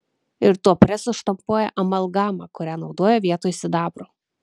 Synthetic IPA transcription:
ɪɾt̪uɔpʲɾʲɛsʊʃt̪ɐmpuɔjɛ̰ʔɐmɐlˠɡɑːmɐkʊɾʲæːnɒʊd̪oːjɛʋʲiɛt̪oːjsʲɪd̪ɑːbɾoː

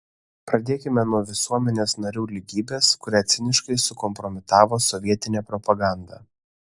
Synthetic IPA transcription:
pɾɐd̪ʲeːkʲɪmʲɛnuɔʋʲɪsuɔmʲɛnʲeːsnɐɾʲuːlʲɪɡʲiːbʲeːskʊɾʲæːt̪sʲɪnʲɪʃkɐɪsʊkɔmpɾɔmʲɪt̪ɑːʋoːsɔʋʲiɛt̪ʲɪnʲɛːpɾɔpɐɡɑˑnd̪ɑ

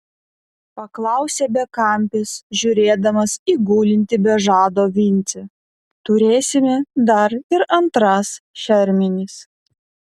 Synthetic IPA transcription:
pɐklˠɑˑʊsʲɛːbʲɛkɐˑmʲpʲɪsʒʲʊɾʲeːd̪ɐmɐsiːɡuːlʲɪnʲt̪ʲɪbʲɛʒɑːd̪oːʋʲɪnʲt̪sʲɛ | t̪ʊɾʲeːsʲɪmʲɛd̪ɐɾɪɾɐnt̪ɾɐsʃʲɛɾʲmʲɪnʲɪs

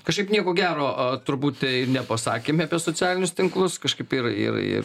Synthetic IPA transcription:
kɐʃkɐɪpnʲiɛkoːɡʲæːɾoːɐt̪ʊɾbuːt̪ʲtʲɛɪnʲɛpɐsɑ̰ːkʲeːmʲɐpʲiɛsoːt͡sʲæːlʲɪnʲʊst̪ʲɪŋklˠʊskɐʃkɐɪpɪrɪ̰rɪ̰r

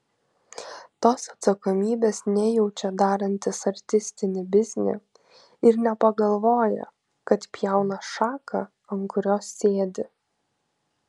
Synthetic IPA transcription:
t̪oːsɐt̪sɐkɔmʲiːbʲeːsnʲɛjɛʊt͡ʃʲɛd̪ɑːɾɐnʲt̪ʲɪsɐɾʲt̪ʲɪsʲt̪ʲɪnʲɪbʲɪzʲnʲɪ̰ | ɪɾnʲɛpɐɡɐlˠʋoːjɛ̰ | kɐt̪pʲjɛˑʊnɐʃɑːkʰɐ | ɐŋkʊɾʲoːsːʲeːd̪ʲɪ

